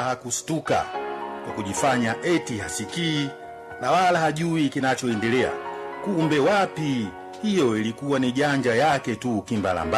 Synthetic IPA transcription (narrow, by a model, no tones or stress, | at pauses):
hakustuka̰kwakuʄifaɲaʔɛtihasikiː | nawalahaʄuikinat͡ʃɔɛndɛlɛa̰kumbɛwapi | hijɔilikuwaniʄaɲd͡ʒajakɛtukimba̰la̰mba